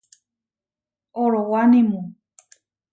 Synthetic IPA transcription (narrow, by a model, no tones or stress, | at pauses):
oɾowanimu